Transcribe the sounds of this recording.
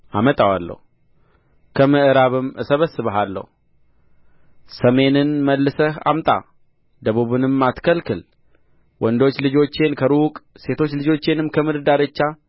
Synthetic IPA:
ʔamət̪ʼawa̰lːə̰hu | kʰəmɨʔɨɾaβɨmɨsəβəsːɨβəɦalːə̰hu | səme̞nɨnməlːɨsəha̰mt̪ʼa̰ | d̪əβuβɨnɨmːat̪kʰəlkɨl | wʔɔnd̪o̞t͡ʃːlɨd͡ʒo̞t͡ʃːe̞nkʰəɾukʼse̞t̪ʰo̞t͡ʃːlɨd͡ʒo̞t͡ʃːe̞nɨmkʰəmɨd̪ɨd̪aɾɨt͡ʃːa

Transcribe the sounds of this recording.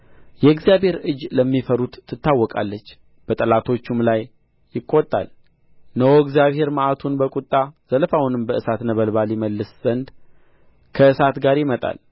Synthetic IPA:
jɛɡzijaβhe̞ɾɨd͡ʒləmːifəɾut̪ʰːɨt̪ːawːɔkʼa̰lːət͡ʃː | b̥ət̪ʼəlat̪ʰo̞t͡ʃːumlajː | ɪkʼːot̪ʼːa̰l | nəwoɡzjaβhe̞ɾmaʔat̪ʰunbəkʼut̪ʼːaz̥əlfawunɨmbəʔɨsat̪nəβəlbaljiməlːɨsz̥ənd̪ | kʰəɨsat̪ɡaɾjɪmət̪ʼa̰l

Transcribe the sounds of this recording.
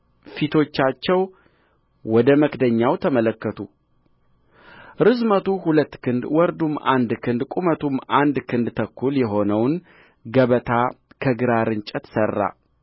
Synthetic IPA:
fit̪ʰo̞t͡ʃːat͡ʃːɛw | wɔd̪əməkd̪əɲːawt̪ʰəmələkːət̪ʰu | ɾɨzmət̪ʰuhulət̪ːkɨnd̪wɔɾd̪uma̰nd̪kʰɨnd̪kʷʼumət̪ʰumand̪kʰɨnd̪t̪ʰəkʰːuljɛɦo̞nəwn | ɡəβət̪ʰakʰəɡɨɾaɾɨnt͡ʃʼɛt̪sərːa̰

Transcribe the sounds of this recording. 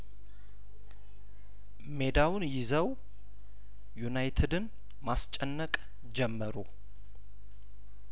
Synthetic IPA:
me̞d̪awʊnjɪzəw | junajt̪ʰɨd̪ɨn | mast͡ʃʼɛnːəkʼ | d͡ʒɛmːəɾu

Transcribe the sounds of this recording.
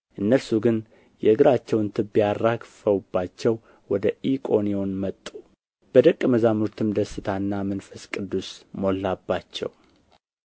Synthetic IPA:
ʔɨnːəɾsuɡɨn | jɛɨɡɨɾat͡ʃːɛwnt̪ʰɨbːijaɾakfəwubːat͡ʃːɛw | wɔd̪əʔikʼo̞nio̞nmət̪ʼːu | b̥əd̪əkʼːməzamuɾt̪ʰɨmd̪əsːɨt̪ʰanːamɨnfəskʼɨd̪ːusmo̞lːabːat͡ʃːɛ̰w

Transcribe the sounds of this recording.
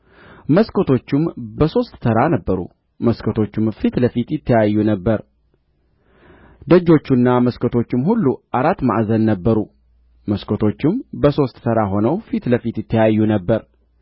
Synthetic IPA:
məskʰot̪ʰo̞t͡ʃːɪmbəso̞st̪ːʰəɾanəbːəɾṵ | məskʰot̪ʰo̞t͡ʃːɪmfit̪ləfit̪jɪt̪ʰːəjajːunəbːəɾ | d̪əd͡ʒːo̞t͡ʃːunːaməskʰot̪ʰo̞t͡ʃːɪmhulːuʔaɾat̪ːma̰ʔzənːəbːəɾu | məskʰot̪ʰo̞t͡ʃːɪmbəso̞st̪t̪ʰəɾaɦo̞nəwfit̪ləfit̪jɪt̪ʰːəjajːunəbːəɾ

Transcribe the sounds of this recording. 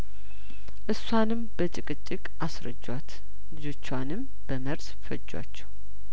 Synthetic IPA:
ʔɨsːwanɨmb̥ət͡ʃʼɨkʼɨt͡ʃʼːɪkʼasɾə̰d͡ʒːwat̪ | zo̞t͡ʃːwanɨm | b̥əməɾsfə̰d͡ʒːwa̰t͡ʃːɛw

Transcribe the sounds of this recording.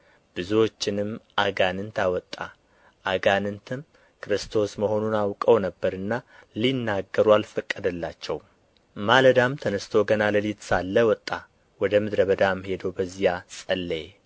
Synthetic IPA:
b̥ɨzuwo̞t͡ʃːɪnɨmʔaɡanɨnt̪awɔt̪ʼːa̰ | ʔaɡanɨnt̪ʰɨm | kʰɾɨst̪ʰo̞sməho̞nunawkʼəwnəbːəɾɨnːalinːaɡːəɾualfəkʼːəd̪əlːat͡ʃːɛw | maləd̪amt̪ʰənəst̪ʰo̞ɡənaləlit̪salːəwɔt̪ʼːa | wɔd̪əmɨd̪ɾəβəd̪amhe̞d̪əwbəzːijasʼəlːe

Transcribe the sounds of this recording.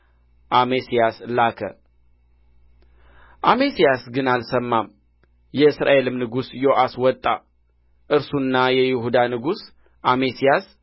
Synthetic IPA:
ʔamesijaslakʰə̰ | ʔame̞sijasɡɨnalsəmːam | jɛɨsɾa̰ʔe̞lɨmnɨɡusjo̞ʔaswɔt̪ʼːa̰ | ʔɨɾsunːajɛjɪhud̪anɨɡus | ʔamesijas

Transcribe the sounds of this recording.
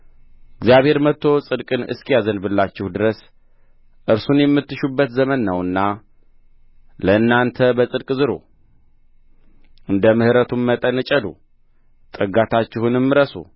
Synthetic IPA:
ɪɡzijaβhe̞ɾmət̪ːo̞sʼɨd̪kʼɨnɨ̰skʰijazənbɨlːat͡ʃːɪhud̪ɨɾəs | ʔɨɾsunjɛmːɨt̪ːɨʃubːət̪zəmənːəwɨnːa | ləɨnːant̪ʰəbəsʼɨd̪kʼzɨɾo̰ | ɨnd̪əmɨhɾət̪ʰumːət̪ʼənɨt͡ʃʼəd̪u | t̪ʼɨəɡat̪ʰat͡ʃːɪhunɨmːɨɾəsṵ

